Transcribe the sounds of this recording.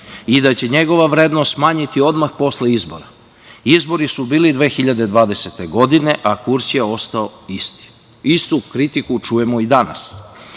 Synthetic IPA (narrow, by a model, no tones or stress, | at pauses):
id̪at͡ɕe̞ɲe̞ɡo̞ʋaʋɾe̞d̪nost̪maːɲit̪io̞d̪maxpo̞sleizbo̞̰ɾa | izbo̞ɾisubiːlid̪ʋe̞ːxiʎad̪ed̪ʋaːd̪e̞set̪eɡo̞d̪ine̞ʔakuɾt͡ɕjeo̞st̪aoist̪i̥ | ist̪ukɾit̪ikut͡ʃuje̞moid̪ana̰s